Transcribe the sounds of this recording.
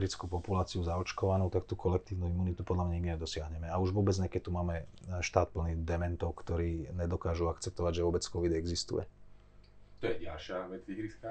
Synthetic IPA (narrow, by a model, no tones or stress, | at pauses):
ɾit͡skupɔpulaːt͡siuzaɔt͡ʃkɔʋanuʊt̪akt̪ukʰɔlɛkt̪iːʊnuimuːnit̪upɔd̪lamɲaimiajd̪ɔsɪaɦɲɛmɛauʒʋʊɔːbɛd͡zɲɛkɛc̚t̪ːumaːmɛʃt̪aːt̪̚pl̩niːd̪ɛmɛnt̪ɔʊkt̪ɔɾiːɲɛd̪ɔkaːʒuakt͡sɛp̚t̪ɔʋaɟʒɛʋʊɔbɛt͡skɔʋid̪ɛɡzist̪ṵjɛ̰ | t̪ɔjɛɟalʃɪaʋɛd͡ztiɣɾiska